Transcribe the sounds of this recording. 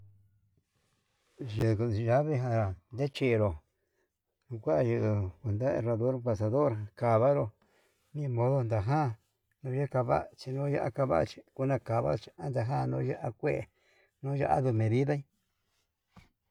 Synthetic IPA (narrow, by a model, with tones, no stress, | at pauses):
ʒɨ˨kʒa˦βe˧ɦã˧ɾa˨nd̪e˦t͡ʃi˧ɾo˨ | nũ˧kʷa˦˧ʒu˧ʔku˨nd̪a˦ḛ˧ra˧ðo˦ɾmba˧˨s̬a˧ðo˦ɾka˨βa˦ɾo˧ | nĩ˦˧mõ˦ðo˧nd̪a˨ɦã˦ | nũ˧˦ja˦ka˧βa̰˦˨t͡ʃi˧nũ˦ja̰˦ʔa̰˧ka˧βa̰˦ʔt͡ʃi̥˧ku˦nã˧ka˨βa̰˦˧t͡ʃi̥˧a˦nd̪a˧ɦã˦˨nõ˧˦ja˦ʔa˦kʷe˦ʔ | nũ˦ʒa̰˧ʔa̰˦ðu˧mẽ˨ði˦ða˦ĩ˦